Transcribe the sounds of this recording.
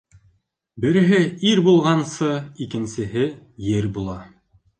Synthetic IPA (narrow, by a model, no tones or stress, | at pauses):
bɘ̆ɾɘ̆ɦɘiɾbulˠʁɑnsɤikɘ̆nsɘ̆ɦɘ | jɘɾbulˠɑ